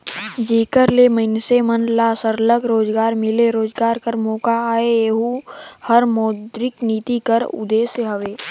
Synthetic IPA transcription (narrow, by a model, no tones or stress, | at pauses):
d͡ʒiːkəɾleməɪnsemənlaːsəɾləɡɾoːd͡ʒɡaːɾmɪleɾoːd͡ʒɡaːɾkəɾmɔːkaaːeeːɦuhəɾmɔːd̪ɾɪkniːt̪ikəɾʊ̰d̪eːseɦɐʋeː